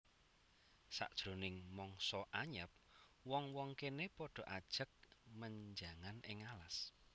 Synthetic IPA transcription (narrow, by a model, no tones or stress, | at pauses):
sa̰ʔd̥ʒ̥ɾonɪŋmɔŋsɔʔaɲəp̚wɔŋwɔŋkenepɔɖ̥ɔ̤ʔad̥ʒ̥ə̤k̚məɲd͡ʒaŋanɪŋalas